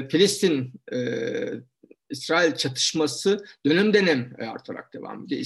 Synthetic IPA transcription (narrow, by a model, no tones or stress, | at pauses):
filʲist̪ʰinɛ | isɾaːilʲt͡ʃʰat̪ʰɯ̥ʃmasɯd̪̥ø̞nɛmd̪e̞nɛma̰ɾt̪ʰaɾa̰k̚d̪̥e̞va̰ːmed̪ḭ